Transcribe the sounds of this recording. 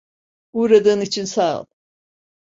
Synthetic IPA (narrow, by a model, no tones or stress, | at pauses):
uːɾad̪ɯːnit͡ʃʰinsa̰ːlˠ